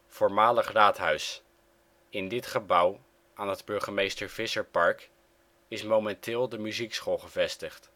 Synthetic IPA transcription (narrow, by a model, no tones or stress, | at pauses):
v̥oːɹmaːləχraːtɦœɥs | ɪndɪtχəbʌw | ʔaːnɦədbɵɹχəmejstəɹv̥ɪsəɹpɑɹk | ɪsmowmɛntʰɪːlˠdəmyziksχolˠχəvɛstəχt